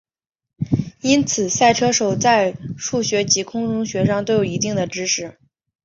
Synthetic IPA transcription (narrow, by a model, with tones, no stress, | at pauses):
i˥nt͡sʰɹ̩˨˩sa˥˩ɪʈ͡ʂʰɤ˥ʂo˨˩ʊt͡sa˥˧ɪʂu˥˩ɕɥɛ˧˥t͡ɕi˧˥kʰʊ˥ŋʈ͡ʂʊ˥ŋɕɥɛ˧˥ʂɑ˥˧ŋt̪o˥˧ʊjo˨˩ʊi˧˥t̪i˥˩ŋd̪ə˩ʈ͡ʂɻ̩˥ʂɻ̩˥˩